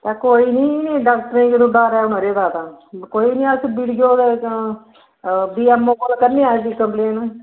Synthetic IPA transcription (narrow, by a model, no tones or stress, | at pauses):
t̪aːkoːiːnĩːnĩːɖaːk̚ʈəɾẽːkɪd̪uɖaːɾɛːʊnəɾeːd̪aːt̪aːkoːiːnĩːəsbiɽɡjoːd̪e | biːɛːmːõːkolkəɾniːaːsiːkəmpleːnː